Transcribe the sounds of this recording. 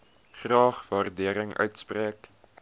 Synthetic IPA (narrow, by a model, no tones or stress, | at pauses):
χrɑːχvɑrdiəɾəŋœ̰ɥtspriək